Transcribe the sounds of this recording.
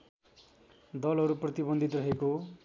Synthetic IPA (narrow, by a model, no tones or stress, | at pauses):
d̪ʌlʌɾuprʌt̪ibʌnd̪ʱit̪rʌɦeko